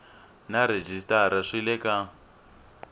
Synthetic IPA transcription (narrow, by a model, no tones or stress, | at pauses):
naɾed͡ʒistaɾaʂilɛka